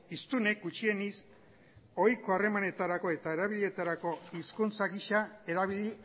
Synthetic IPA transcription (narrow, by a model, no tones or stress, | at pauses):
ist̪une̞k̚ɡut͡ʃie̞nis | o̞jko̞are̞mane̞t̪aɾako̞e̞t̪ae̞ɾaβiʎe̞t̪aɾako̞iskunt͡saɣiʃae̞ɾaβii